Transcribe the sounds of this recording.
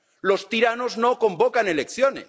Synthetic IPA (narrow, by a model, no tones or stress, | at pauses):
lo̞st̪iɾanozno̞ko̞mbokane̞lekθjonḛs